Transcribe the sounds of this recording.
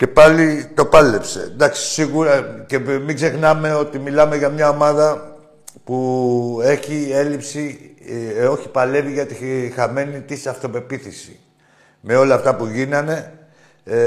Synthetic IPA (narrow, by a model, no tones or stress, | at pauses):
ce̞pɐlit̪o̞pɐlepse̞̰d̪ɐksi̥siɣuɾɐce̞miɡze̞xnɐme̞o̞t̪imilɐmeʝɐmɲɐo̞mɐðɐ | pue̞çie̞lipsi | o̞çi̥pɐle̞viʝɐt̪ixɐme̞nit̪isɐft̪o̞pe̞piθisi̥̰ | me̞o̞lɐːft̪ɐpuʝinɐne̞